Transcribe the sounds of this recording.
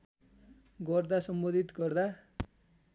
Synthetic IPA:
ɡʌrd̪asʌmbʌd̪ʱit̪ɡʌrd̪a

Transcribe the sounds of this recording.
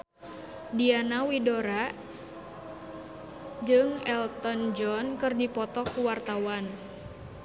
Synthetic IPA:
dianawidoɾa | d͡ʒɨŋɛlt̪ɔnd͡ʒɔnkɨrdipɔt̪ɔkuwart̪awan

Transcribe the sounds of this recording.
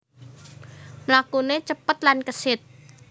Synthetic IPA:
mlakunet͡ʃəpːət̪̚lankəset̪̚

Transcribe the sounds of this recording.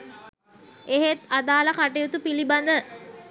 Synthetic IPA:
eɦet̪ad̪aːlakaʈejut̪upiliband̪ə

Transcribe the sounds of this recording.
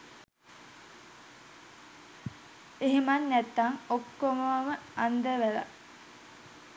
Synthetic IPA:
eɦimɐnːæt̪ːaŋokːomoʋɐməɐnd̪əʋælɐ̰

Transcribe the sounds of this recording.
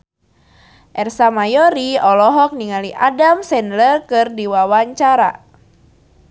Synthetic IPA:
ʔɛrsamajɔɾiɔlɔɦɔk̚niŋaliʔadamsɛnlərkɨrdiwawaɲt͡ʃaɾa̰

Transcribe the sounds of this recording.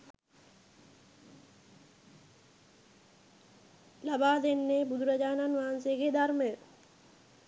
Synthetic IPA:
labaːd̪enːeːbud̪ʱuɾad͡ʒaːnanʋaːanseːɡed̪arməjə

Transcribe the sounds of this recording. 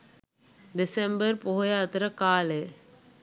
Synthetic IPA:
d̪ɪsembɐɾpoɦjaːt̪ɾɐkaːle

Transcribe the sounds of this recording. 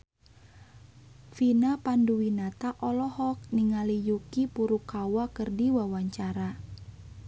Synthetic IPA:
finapanduwinat̪aʔɔlɔhɔk̚niŋalijukipuɾukawakərdiwawaɲt͡ʃaɾa

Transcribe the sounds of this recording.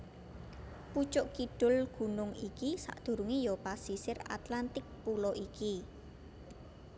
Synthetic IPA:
put͡ʃʊʔkiɖ̥ʊ̤lɡ̥ṳnʊŋikisa̰ʔd̪̥ṳɾuŋejɔpasisɪra̰t̪lant̪ɪk̚pulɔʔiki

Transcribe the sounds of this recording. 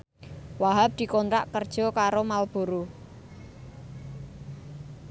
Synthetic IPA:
waɦap̚d̪̥i̤kɔnɾaʔkərd̥ʒ̥ɔ̤kaɾomalb̥uɾu

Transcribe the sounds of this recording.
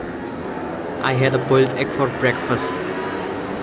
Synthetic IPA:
ʔajɦɛdəboltʰɛkfɔɹbɹɛkfəst

